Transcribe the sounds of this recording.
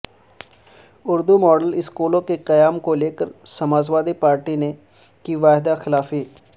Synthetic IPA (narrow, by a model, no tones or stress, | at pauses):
ʊɾd̪umɔːɖəlɪskoːlõkeqɐjaːmkoleːkəɾsɐmaːzʋaːd̪ipaːɾʈine | kiʋaːɦɪd̪axɪlaːfiː